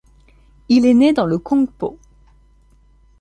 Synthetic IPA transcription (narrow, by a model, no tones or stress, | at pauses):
ilɛned̪ɑ̃ləkɔ̃po